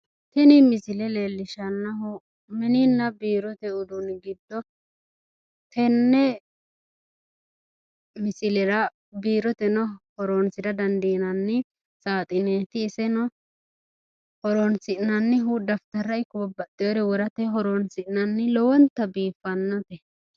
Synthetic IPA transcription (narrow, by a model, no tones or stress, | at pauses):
t̪ɛnɪmɪsɪlɛle̞ːlːɪʃɐnːɐhɔ | mɛnɪnːɐbiːɾɔt̪ɛʊd̪ʊnɡɪd̪ːɔ | t̪ɛnːɛ | mɪsɪlɛɾɐ | biːɾɔt̪ɛnɔhɔɾoːnsɪd̪ɐd̪ɐnd̪iːnɐnːɪ | saːt̪ʼɪneːt̪ɪːsɛnɔ | hɔɾonsɪʔnɐnːɪɦud̪ɐft̪ɐɾːɐɪkːʊbɐbɐt̪ʼːɪjɔɾɛwɔɾɐt̪ɛɦɔɾonsɪnɐnːɪlɔwɔnt̪ɐbiːfːɐnːɐt̪ɛ